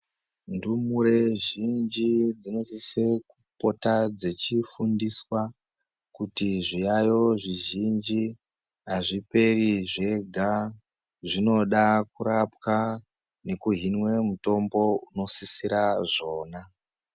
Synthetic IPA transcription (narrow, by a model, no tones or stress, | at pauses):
ndumuɾe̞ʒind͡ʒid͡zinosise̞kupo̞tad͡ze̞t͡ʃifundiswa | kutiʐijajo̞ʐiʒind͡ʒi | ɦaʐipe̞riʐe̞ɡʱa | ʐino̞ɗak̚uɾapwa | ne̞kuɦinwe̞muto̞mbo̞uno̞sisiɾaʐo̞ːna